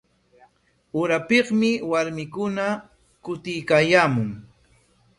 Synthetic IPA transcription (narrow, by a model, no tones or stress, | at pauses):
ʊɾapɪqmɪwaɾmɪkʊna | kʊt̪ɪjkaːjaːmʊŋ